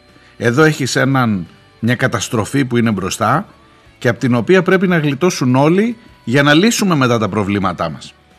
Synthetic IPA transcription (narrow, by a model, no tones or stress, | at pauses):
e̞ðo̞e̞çise̞nɐn | mɲɐkɐt̪ɐst̪ɾo̞fipuine̞bɾo̞st̪ɐ | ce̞ɐpot̪ino̞piɐpɾe̞pinɐɣlit̪o̞suno̞li | ʝɐnɐlisume̞me̞t̪ɐt̪ɐpɾo̞vlimɐt̪ɐmɐs